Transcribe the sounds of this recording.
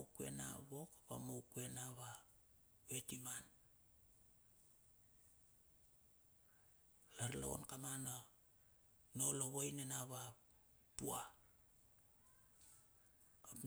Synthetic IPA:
kue̞̰na̰βo̞kaβa̰mowkue̞naβa | βe̞timan | laɾla̰o̞̰nkamana | no̞loβojnenaβa | tua

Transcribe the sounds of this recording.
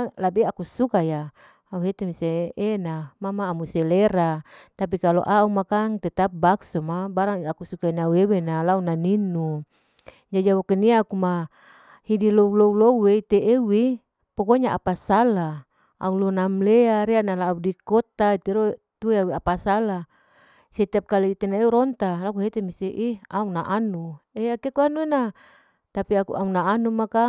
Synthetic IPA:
labeakusukaja | auɦet̪emiseːnamamaːmuseleɾat̪ap̬ikalo̰ʔaumakaŋt̪et̪ap̚baksomabaɾaŋakusukainauewenalaunaninːu | d͡ʒad͡ʒiawokeniakuma | hidiloulouloeit̪eʔewi | pɔkoɲaʔa̰pasala | a̰ulonamleaɾeaʔnalaudikɔt̪ait̪eɾo | t̪ueawiapasala | set̪ap̚kaliit̪enaeuɾɔnt̪alakuɦet̪emiseʔiaunaʔanueakekuanuena | t̪apiakṵʔaunaanumaka

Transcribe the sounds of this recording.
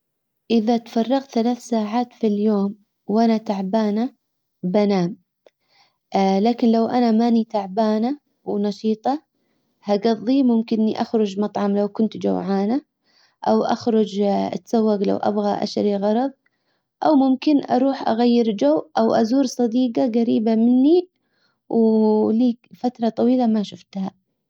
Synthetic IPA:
ʔɪðat̪fɑrˤːɑɣt̪θalaːθsaːʕaːt̪filjoːm | wʔanat̪aʕbaːna | banaːm | laːkɪnlawʔanamaːnit̪aʕbaːna | wnɑʃiːt̪ˤɑ | haɡɑðˤːimʊmkɪnːiʔaxɾʊd͡ʒmɑt̪ˤʕɑmlawkʊnt̪d͡ʒa̰wʕaːna | ʔawʔa̰xɾʊd͡ʒa̰t̪sawːaɡla̰wʔa̰bɣaʔa̰ʃɾiɣɑɾˤɑðˤ | ʔawmʊmkɪnʔɑ̰ɾˤuːħʔa̰ɣajːɪɾd͡ʒawːʔawʔazuːɾsˤɑd̪iːɡaɣaɾiːbamɪnːi | wliːfat̪ɾˤɑt̪ˤɑwiːlamaʃʊft̪ha

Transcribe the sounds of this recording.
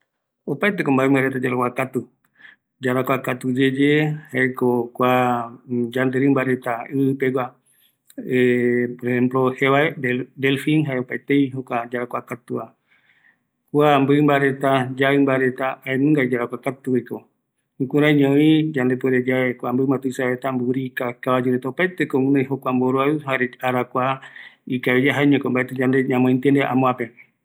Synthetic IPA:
opaet̪ekombaemaɾet̪ad͡ʒaɾakʷakat̪u | d͡ʒaɾakʷakat̪ud͡ʒed͡ʒehaekokʷa | d͡ʒand̪eɾɨmbaɾet̪aɨɨpeɡʷa | epoɾehemploheβaeded̪elfiŋɦaeopaet̪ejɦokʷad͡ʒaɾakʷakat̪ua̰ | kwambɨmbaɾe̞t̪ad͡ʒaɨmbaɾet̪aaenɨ̃ŋɡaid͡ʒaɾakʷakat̪uwiko | kuɾaɲõĩd͡ʒand̪epweɾed͡ʒaekʷambɨmãt̪uisaβet̪ambuɾikakaβad͡ʒuɾet̪aopajt̪ekoŋũnãjɦokʷamboɾoaɨɦaɾeaɾakʷaikaβid͡ʒaɦaeɲẽkombaet̪ed͡ʒand̪eɲãmõĩnt̪end̪eʔa̰mõape

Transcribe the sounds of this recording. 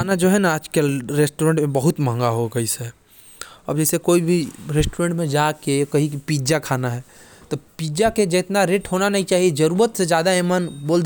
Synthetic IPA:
anad͡ʒoːɦɛnaːd͡ʒkeɾesʈoɾẽːɳʈmẽbəɦʊt̪mə̃ŋɡaɦokɐɦise | ɔ̰ːɾd͡ʒɛːsekoːibʱiɾesʈuɾẽːɳʈmẽd͡ʒaːkekɐɦikipiːd͡ʒakʰaːnaɦɛː | t̪opiːd͡ʒaked͡ʒet̪naɾeʈɦoːnanɐɦĩt͡ʃaːɦied͡ʒɐɾuːɾət̪sed͡ʒjaːd̪aemənboːld̪

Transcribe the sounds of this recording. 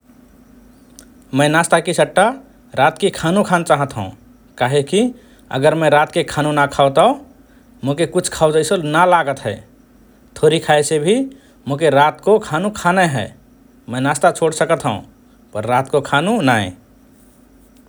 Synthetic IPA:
mə̃ɪnast̪akisəʈːa | ɾat̪kekʰanũkʰant͡ʃaɦət̪ɦə̰̃ | kaɦeki | ə̰ɡəɾmẽɾat̪kekʰanũnakʰawt̪aõ | mokekut͡ʃʰkʰawd͡ʒəɪsolnalaɡət̪ɦɛ | t̪ʰoɾikʰaesebʱi | mõk̬eɾat̪kokʰanũkʰaneɦɛ | mə̃nast̪at͡ʃʰoɽsəkət̪ɦəṵ̃ | pəɾːat̪kokʰanũnaḛ̃

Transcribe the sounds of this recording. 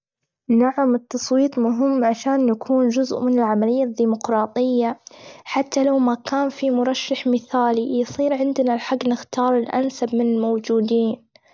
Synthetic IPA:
naʕamɨt̪ːɑsˤwiːt̪ˤmʊɦɪmːʕaʃaːnjakʰuːnd͡ʒʊzʔmɪnɪlʕamalɪjːad̪ːiːmʊqɾˤɑːt̪ˤɨjːaħat̪ːalawmakaːnfimʊɾˤɑʃːaħmɪθaːlijsˤiːɾʕɪnd̪nalħaɡːnɪxt̪ɑːɾˤɪlʔa̰nsabmɪnɪlmowd͡ʒuːd̪iːn

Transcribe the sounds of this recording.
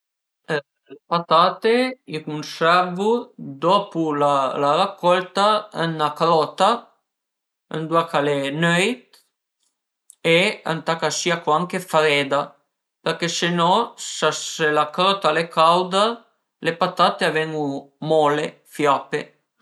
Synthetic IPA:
ə | lepat̪aːt̪eikunsɛɾvud̪ɔpulalarakːɔlt̪aənakɾɔt̪a | ə̰nd̪uakʰalenœjt̪ | ea̰nt̪akasiakwaŋkefɾɛd̪a | peɾkesenɔsaelakɾɔt̪alekawd̪a | lepat̪at̪eavɛŋɡumɔle | fjapḛ

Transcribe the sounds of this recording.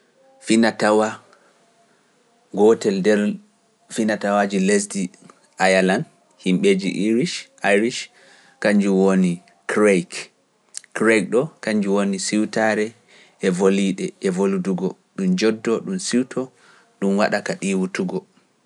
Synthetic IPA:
finatawa | ɡɔtɛldɛɾ | finatawad͡ʒiles̬di | ʔajalan | himɓed͡ʒḭʔiɾiʃʔajɾiʃ | kaɲd͡ʒuwoni | kɾejk | kɾejk̚ɗɔkaɲd͡ʒuwonisiwtaɾɛ | ɛvoliɗɛɛvoluduɡɔɗumd͡ʒɔdːɔɗumsiwtʰɔ | ɗumwa̰ɗakaɗiwutuɡɔ

